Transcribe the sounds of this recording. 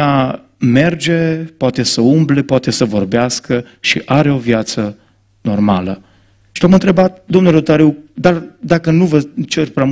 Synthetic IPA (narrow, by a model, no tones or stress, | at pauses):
a | me̞rd͡ʒe̞poat̪e̞səumble̞poat̪e̞səvo̞rbeaskə | ʃiʔaɾeo̞vjat̪sə | no̞rmalə | ʃiamɨnt̪ɾe̞bat̪̚d̪omnulɾot̪aɾiwd̪ard̪akənuvət͡ʃerpɾam